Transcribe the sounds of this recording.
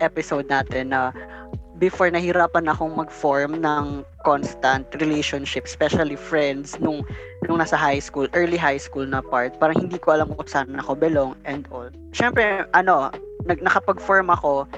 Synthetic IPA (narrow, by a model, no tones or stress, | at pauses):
ʔɛpɪsowd̪̚naːt̪ɛnːɐ | bɪfoɹnɐhɪɾaːpɐnɐko̞ŋmɐɡfoɹmnɐŋkonst̪ɐnt̪ɾɪlejʃonʃɪpspɛʃɐlifɹɛnd̪snʊŋ | nʊŋaːsɐɦajskulʔɛɹliɦajskulnɐpaɹt̪̚paːɾɐŋhɪnd̪iːkoʔɐlamkʊkʊsaːnɐnɐkobɛloŋʔɛnd̪ʔol | ʃɛmpɾɛʔɐno̞nɐɡ̚nɐkɐpɐɡfoɹmɐko̞